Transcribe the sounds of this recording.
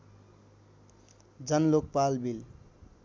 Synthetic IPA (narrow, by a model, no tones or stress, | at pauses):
d͡zʌnlok̚palbil